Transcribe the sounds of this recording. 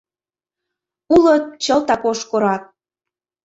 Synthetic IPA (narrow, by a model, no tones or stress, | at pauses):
ulət̪̚t͡ɕəlˠt̪ɑkoʃkoɾɑt̪̚